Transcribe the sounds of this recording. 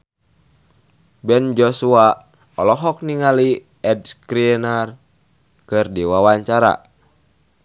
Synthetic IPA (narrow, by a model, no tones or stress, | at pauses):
bɛnd͡ʒɔsua | ɔlɔɦɔk̚niŋali | ɛd̚skɾiɛnar | kɨrdiwawaɲt͡ʃaɾa̰